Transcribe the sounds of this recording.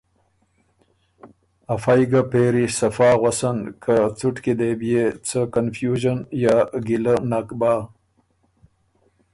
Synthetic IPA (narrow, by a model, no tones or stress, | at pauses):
afajɡapeːɾisɐfaːɣwasankʰat͡suʈkid̪ebijet͡səkanfjuːʒənjaːɡilənakbaː